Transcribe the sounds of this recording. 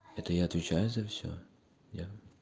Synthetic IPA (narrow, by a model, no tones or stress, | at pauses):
ɛt̪ɐjaɐt̪ʋʲit͡ʃajʊzɐwsʲɔ̰ | ja